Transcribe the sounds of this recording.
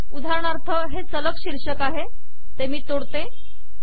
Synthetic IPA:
ud̪ʱaɾɳ̃aɾt̪ʰəɦet͡sələkɕiɾʂəkaɦe | t̪emiːt̪oɽt̪e

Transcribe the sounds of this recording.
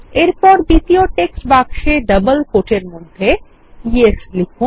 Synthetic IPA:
eɾpɔɾd̪it̪ijoʈeksʈbakʃeɖəbəlkoʈʰeɾmod̪ʱːe | ieslikʰu

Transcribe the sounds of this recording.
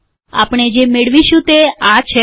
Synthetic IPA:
a̰pɳ̃ed͡ʒemeɭʋiʃũt̪eat͡ʃʰe

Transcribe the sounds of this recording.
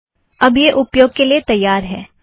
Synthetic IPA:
ɐbjeʔʊpjoːɡ̚keliet̪ɐjːaːɾɦɛː

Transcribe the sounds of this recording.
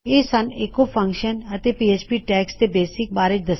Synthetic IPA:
eːsɐneːkopʰə̃ŋkʃənət̪epiːeːt͡ʃpiːʈɛːkst̪ebeːsɪk̚baːɾɪt͡ʃd̪ɐs

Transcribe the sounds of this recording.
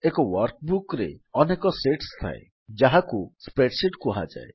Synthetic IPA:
ekɔwɔɾkbukɾḛɔnekɔseʈst̪ʰa̰e | d͡ʒaɦakuspeʈsiʈkuɦa̰d͡ʒa̰e

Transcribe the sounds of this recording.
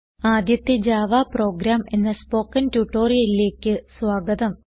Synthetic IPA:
aːd̪jɐt̪ːed͡ʑaːʋaːpro̞ːɡɾaːme̞̰nːɐspo̞ːkːɐntuʈːo̞ːrijɐlile̞ːkʲːɨsʋaːɡɐðɐm

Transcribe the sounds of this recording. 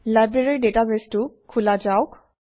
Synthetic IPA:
lajbɹeɹeɹidetabestʊkʰulad͡ʒaʊk

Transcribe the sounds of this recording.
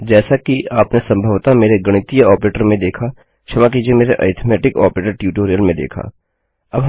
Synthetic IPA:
d͡ʒɛːsakiaːpnesɐ̃mbʱəʋt̪ameːɾeɡɐɽ̃ɪt̪ijəɔːpɾeːʈəɾmẽd̪eːkʰa | t͡ʃʰɐmak̬id͡ʒiemeːɾeʔɐ̰ɪt̪ʰmɛːʈɪkɔ̰ːpɾeːʈəɾʈjuːʈoːɾijəlmẽd̪ḛːkʰa̰ː | ɐbɦ

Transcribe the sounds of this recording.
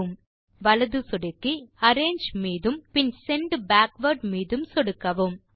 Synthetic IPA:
ɯm | ʋɐlɐðɯsɔɽɪkːiɐɾeːɲd͡ʒmiːðɯmpɪnsɛɳɖbaːkʋɐɾɖmiːðɯmsɔɽɯkːɐʋɯm

